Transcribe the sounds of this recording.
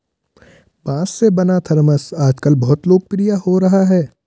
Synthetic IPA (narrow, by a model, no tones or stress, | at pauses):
bãːsːebɐnat̪ʰɐɾməsaːd͡ʒkəlbɐɦʊt̪loːɡ̚pɾijahoɾɐɦaɦɛː